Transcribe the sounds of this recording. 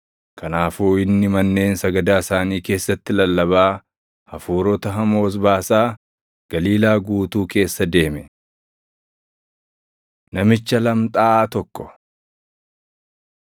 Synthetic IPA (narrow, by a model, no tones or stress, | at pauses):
kʰɐnaːfuːɪnːɪmɐnːe̞ːnsɐɡɐd̪aːsaːniːke̞ːsːɐt̪ːɪlɐlːɐβaː | hɐfuːɾɔt̪ɐɦɐmo̞ːs̬baːsaː | ɡ̥ɐliːlaːɡuːt̪uːke̞ːsːɐd̪e̞ːmɛ | nɐmɪt͡ʃːɐlɐmt̪ʼaːaːt̪ɔkːɔ̥